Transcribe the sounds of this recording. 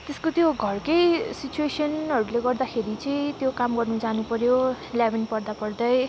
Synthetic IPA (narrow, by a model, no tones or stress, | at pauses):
t̪eskot̪joɡʱʌrkʌjsit͡suesʌnʌɾuleɡʌrd̪akʰeɾit͡sʌ̃ĩt̪jokamɡʌrnud͡zanupʌɾjo | ljabinpʌrd̪apʌrd̪ʌj